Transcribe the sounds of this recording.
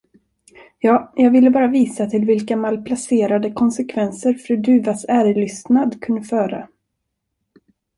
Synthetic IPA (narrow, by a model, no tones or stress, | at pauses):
jɑːjɑːɡvɪlːəbɑːɾaviːsat̪ʰɪlvɪlkamalpʰlaseːɾad̪əkʰɔnsɛkʰvɛnsəɾfɾʉ̟ːd̪ʉ̟ːvasæːɾɭʏst̪nad̪kʰɵnd̪əfœːɾa̰